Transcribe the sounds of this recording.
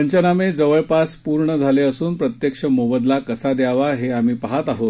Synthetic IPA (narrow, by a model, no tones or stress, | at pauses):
əɲt͡ɕənamed͡zəʋəɭpaspuɾɳəd͡zʱaleəsuːnpɾət̪jekʂəmoʋəd̪lakəsad̪jaʋaɦeam̤iːpaɦat̪aɦot̪